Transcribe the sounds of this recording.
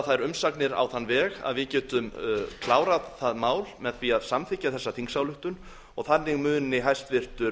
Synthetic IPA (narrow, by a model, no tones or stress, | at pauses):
θajɾʏmsaknɪɾa̰wθanːvɛːɣa̰ðvɪðcɛːt̪ʏmkʰlaːwɾaðθaðmaːwlmɛðθviaðsamθɪhcːaθɛsːaθiŋsawlʏht̪ʏn | ɔɣθanːɪɣmʏːnɪɦajst̪vɪr̥t̪ʏɾ